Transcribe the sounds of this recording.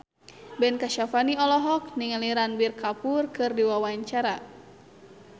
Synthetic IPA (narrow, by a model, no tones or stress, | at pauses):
bɛnkaʃafaniɔlɔɦɔk̚niŋaliɾanbirkapurkɨrdiwawaɲt͡ʃaɾa